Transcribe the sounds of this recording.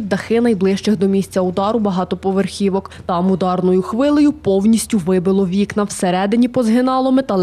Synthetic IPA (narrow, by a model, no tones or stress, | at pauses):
d̪ɐxɪnɐjblˠɪʃt͡ʃɪxd̪ɔmʲisʲt͡sʲɐʊd̪ɑɾʊbɐɦɑt̪ɔpɔʋerxʲiʋɔkt̪ɐmʊd̪ɑrnɔjʊxʋɪlˠɔjʊpɔwnʲisʲtʲʊʋɪbɪlˠɔʋʲiknɐwseɾɛd̪ɪnʲipɔzɦɪnɑlˠɔmet̪ɐlˠ